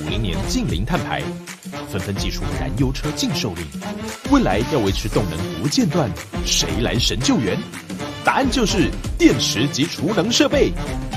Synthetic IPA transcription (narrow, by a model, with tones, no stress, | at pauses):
mḭ˧˥ŋnjɛ̰˧˥nt͡ɕi˥˩ŋlḭ˧˥ŋt̪ʰa˥˩npʰa̰˧˥ɪ | fə˥nfə˧˥nt͡ɕi˥˩ʈ͡ʂʰṵ˥˩na̰˧˥njo˥ʊʈ͡ʂʰɤ˥t͡ɕi˥˧ŋʂo˥˧ʊlḭ˥˩we˥˩ɪla˧˥ɪjɑ˥˩ʊwe˧˥ɪʈ͡ʂʰɻ̩˧˥t̪ʊ˥˩ŋnɤ˧˥ŋt̪u˧˥t͡ɕjɛ˥˧nt̪wa˥˩nʂe˧˥ɪla̰˧˥ɪʂə˧˥nt͡ɕjo˥˩ʊɥɛ˧˥n | t̪a˧˥a˥˧nt͡ɕjo˥˧ʊʂɻ̩˥˧t̪jɛ˥˩nʈ͡ʂʰɻ̩˧˥t͡ɕi˧˥ʈ͡ʂʰu˧˥nɤ˧˥ŋʂɤ˥˧pe˥˩ɪ